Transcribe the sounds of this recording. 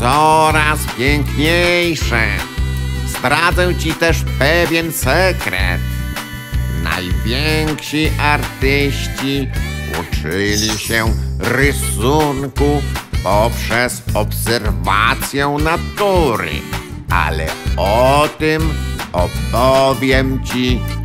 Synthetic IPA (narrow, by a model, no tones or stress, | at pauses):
sɔɾaspʲjɛŋkɲejʂɛ | z̥d̪ɾad̪zɛw̃t͡ɕit̪ɛʂpɛvʲjɛnsɛkɾɛ̰t̪ | na̰jvʲjɛŋkɕiʔaɾt̪ɪɕt͡ɕiṵt͡ʂɪlʲiɕɛɾɪssuŋkupɔpʂɛzɔpsɛɾvat̪sʲjɛ̃nat̪uɾɪ̰a̰lɛ̰ɔt̪ɪmɔtpɔvʲjɛmt͡ɕi